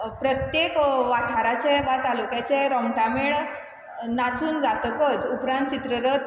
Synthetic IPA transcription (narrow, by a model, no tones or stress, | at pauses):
pɾət̪jekʋaʈʰaɾat͡ɕeʋat̪alukjat͡ɕeɾɔmʈameɭ | nat͡suːnd͡zat̪əkət͡supɾãnt̪̚t͡ɕit̪ɾəɾət̪